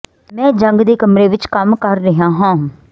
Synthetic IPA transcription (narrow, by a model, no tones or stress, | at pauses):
mɛ̃ːd͡ʒəŋɡd̪eːkəmɾeːʋɪt͡ʃkəmkəɾːəɦãːɦãː